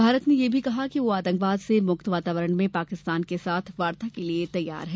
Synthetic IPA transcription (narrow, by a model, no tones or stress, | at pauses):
bʱaːɾət̪nejebʱikɐɦakiʋoaːt̪ɐ̃ŋkʋaːd̪semʊkt̪ʋaːt̪aːʋəɾəɽ̃mẽpaːkɪst̪aːnkesaːt̪ʰʋaːɾt̪akeliet̪ɐjːa̰ːɾɦɛː